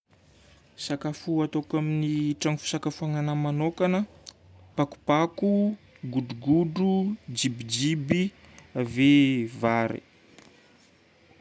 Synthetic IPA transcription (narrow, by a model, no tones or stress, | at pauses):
sakafuat̪okaminiʈ͡ʂaŋfu̥sakafuaŋanəmanokanə | paku̥paku | ɡuɖ͡ʐuɡuɖ͡ʐud͡ʒibid͡ʒibiavevaɾḛ